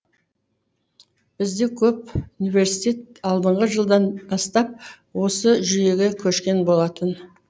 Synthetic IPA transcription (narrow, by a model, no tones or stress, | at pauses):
b̥ɪzd̪e̞kʲʰɵp̚unijve̞ɾsit̪ʲe̞t̪̚ɑlˠd̪əɴʁəʒəlˠd̪ɑnbɑst̪ɑp̚ | wo̞səʒʏje̞ɡʲe̞kʲʰɵʃkʲe̞nbo̞lˠɑt̪ən